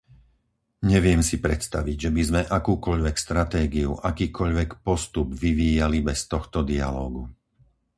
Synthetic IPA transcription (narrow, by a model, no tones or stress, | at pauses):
ɲɛʋɪɛmsipɾɛt̪st̪aʋiɟʒɛbizmɛʔakuːkɔʎʋɛkst̪ɾat̪ɛːɡiuʔakiːkɔʎʋɛkpɔst̪ubʋiʋiːjalibɛst̪ɔxt̪ɔd̪ia̰lɔːɡu